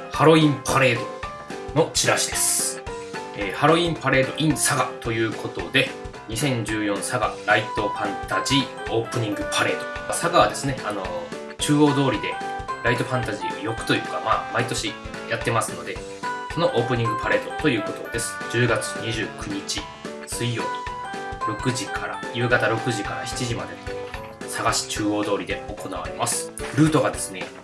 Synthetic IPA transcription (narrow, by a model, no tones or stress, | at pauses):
haɾo̞ĩmpʰaɾe̞ːd̪o̞ | no̞t͡ɕiɾaɕid̪e̞sɨ̥ | eːhaɾo̞ĩmpaɾe̞ːd̪o̞̰ʔĩɰ̃saɡat̪o̞jɯ̟ːkʰo̞t̪o̞d̪e̞ | ɲ̟isẽ̞ɲ̟d͡ʑɨːjõ̞ɰ̃saɡa̰ɾait̪o̞ɸãnt̪ad͡ʑiː | o̞ːpɯ̟ɲ̟ĩŋɡɯ̟pʰaɾe̞ːd̪o̞masaɡaβad̪e̞sɨne̞ano̞ | t͡ɕɨːo̞ːd̪o̞ːɾʲid̪e̞ɾait̪o̞ɸãnt̪aʑḭːo̰jo̞kɯ̟̥t̪o̞jɯ̟ːkamaːmait̪o̞ɕi | jat̪ːe̞masɨno̞d̪e̞ | so̞no̞ʔo̞ːpɯ̟ɲ̟ĩŋɡɯ̟paɾe̞ːt̪o̞t̪o̞jɯ̟ːko̞t̪o̞̰d̪e̞sɨ̥d͡ʑɨːɡat͡sɨ̥ɲ̟iʑɨːkɯ̟ɲ̟it͡ɕi | sɨijo̞̰̥ːoɾo̞kɯ̟ʑikʰaɾa̰jɯ̟ːɡat̪aɾo̞kɯ̟ʑikaɾa̰çi̥t͡ɕiʑimad̪e̞no | saɡaɕi̥t͡ɕɨːo̞ːd̪o̞ːɾʲid̪e̞o̞ko̞naβ̞a̰ɾe̞masɨ̥ɾɯ̟ːt̪o̞ɡad̪e̞sɨne̞